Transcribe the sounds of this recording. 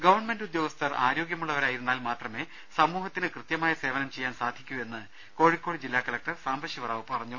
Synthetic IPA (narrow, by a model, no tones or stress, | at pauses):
ɡɐʋɐrɳme̞ndud̪jo̞ːɡɐst̪ʰɐra̰ːɾo̞ːɡjɐmuɭːɐʋɐɾaːjiɾunːaːlmaːt̪rɐme̞ː | sɐmuːɦɐt̪ːinɨkrɨt̪jɐmaːjɐse̞ːʋɐnɐmt͡ɕe̞jːaːnsaːd̪ʱikʲːue̞nːɨ | ko̞ːɻikʲːo̞ːɽid͡ʑilːaːkɐlɐk̚ʈɐrsaːmbɐʂiʋɐraːʋɨpɐrɐɲːu